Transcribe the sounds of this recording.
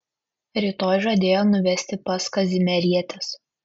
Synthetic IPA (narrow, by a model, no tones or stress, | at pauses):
ɾʲit̪oːjʒɐd̪ʲeːjoːnʊʋʲɛsʲt̪ʲɪpɐskɐzʲɪmʲɛɾʲiɛt̪ʲɛs